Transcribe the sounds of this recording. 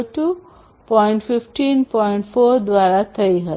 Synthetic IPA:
ʈu | pɔiɳʈfifʈiːnpɔiɳʈfoɾd̪ʋaɾat̪ʰəiɦə

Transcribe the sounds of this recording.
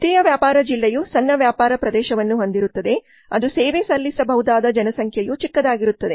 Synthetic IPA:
t̪ijɐʋjaːpaːɾɐd͡ʒilːejusɐnːɐʋjaːpaːɾɐpɾɐd̪ɛːʃɐʋɐnːuɦo̞nd̪iɾut̪ːɐd̪e̞ | ɐd̪useːʋesɐlːisɐbɐɦud̪aːd̪ɐd͡ʒɐnɐsɐŋkʰjɐjut͡ʃikːɐd̪aːɡiɾut̪ːɐd̪e̞

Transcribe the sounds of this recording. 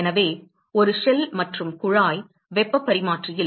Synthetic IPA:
ɛnɐʋeː | ɔɾɯʂɛlmɐʈrɯmkʊɻaːj | ʋɛpːɐpːɐɾɪmaːʈrɪjɪl

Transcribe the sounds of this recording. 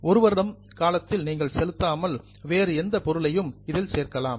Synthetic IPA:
ɔɾɯʋɐɾɽɐm | kaːlɐt̪ːɪlniːŋɡɐɭsɛlɯt̪ːaːmɐl | ʋeːɾɯɛnd̪ɐpɔɾɯɭɐjɯmɪðɪlseːɾkɐlaːm

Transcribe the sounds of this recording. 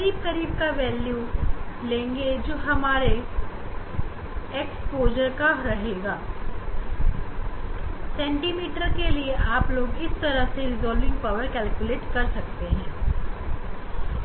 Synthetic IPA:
kɐɾiːb̚kɐɾiːb̚kaʋɛːljulẽːŋɡed͡ʒoːɦɐmaːɾe | eːkspoːd͡ʒəɾkaɾɐɦeːɡaː | sɛ̃ːɳʈiːmiːʈəɾkelieʔaːploːɡɪst̪ɐɾəseɾɪzɔːlʋɪ̃ŋɡ̚paːʋəɾkɛːlkjʊleːʈkɐɾsɐkt̪eɦɛ̃ː

